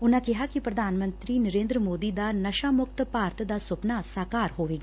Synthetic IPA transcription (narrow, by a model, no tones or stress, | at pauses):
ʊnãːkɪɦaːkipɾəd̪ʱaːnmə̃nt̪ɾiːnəɾẽːnd̪ɾəmoːd̪iːd̪aːnəʃaːmʊk̚t̪paːɾt̪d̪aːsʊpnaːsaːkaːɾɦoːʋeːɡa